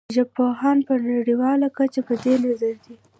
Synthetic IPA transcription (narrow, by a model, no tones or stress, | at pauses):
ʒapoɦɑnpənaɽiwɑlakat͡ʃapəd̪enazaɾd̪i